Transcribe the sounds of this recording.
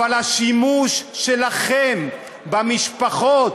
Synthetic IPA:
alhaʃimuʃːelaχem | bamiʃpaχot̪

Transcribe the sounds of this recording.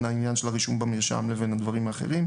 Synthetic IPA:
nainjanʃe̞laʁiʃumbameʃa̰mle̞ve̞nhad̪vaʁimaːχe̞̰ʁim

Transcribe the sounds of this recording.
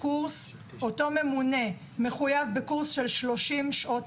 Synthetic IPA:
kuʁs | ʔo̞to̞me̞mune̞ | me̞χujavbekuʁsʃelʃlo̞ʃimʃʔot

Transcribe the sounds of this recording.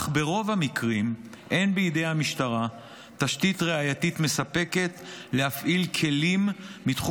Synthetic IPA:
χbe̞ʁo̞vamikʁim | ʔe̞nbeid̪ejhamiʃtaʁa | t̪aʃtitʁeajatit̪me̞sape̞ke̞t̪lehafʔilkʰe̞limːit̪χu

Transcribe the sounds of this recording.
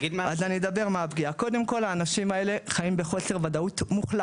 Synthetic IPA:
ɡid̪mazanied̪abe̞ʁmeabɡiako̞d̪e̞mko̞laːnaʃimae̞le̞χaimbeχo̞se̞ʁvad̪aut̪muχla

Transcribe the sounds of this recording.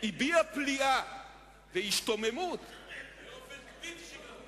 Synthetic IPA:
ibiaplia | vehiʃtomemut̪

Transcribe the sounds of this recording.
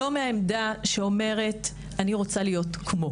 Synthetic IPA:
omeaemdaʃeo̞me̞ʁe̞t | aniʁo̞t͡salijo̞tkʰmo

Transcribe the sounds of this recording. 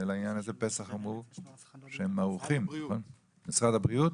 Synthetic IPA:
elainjanazepe̞saχamʁu | ʃehemːaʁuχimnχon | misʁad̪abʁiut̪

